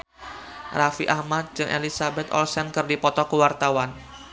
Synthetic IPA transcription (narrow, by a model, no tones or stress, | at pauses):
rafiʔahmat̪̚d͡ʒɨŋʔḛlisabɛt̪ɔ̰lsɛnkɨrdipɔt̪ɔkəwart̪awan